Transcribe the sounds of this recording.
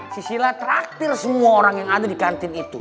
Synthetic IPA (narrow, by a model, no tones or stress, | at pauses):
sisilat̪əɾak̚t̪ɪrsəmuaoɾaŋjaŋadadikant̪ɪnit̪ṵ